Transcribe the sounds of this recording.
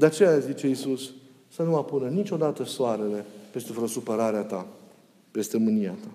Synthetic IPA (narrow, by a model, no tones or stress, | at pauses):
d̪eat͡ʃe̞jazit͡ʃe̞isusː | ənuapunənit͡ʃʲo̞d̪at̪əsoaɾe̞le̞pest̪evɾosupəɾaɾeat̪a | pe̞st̪emɨniat̪a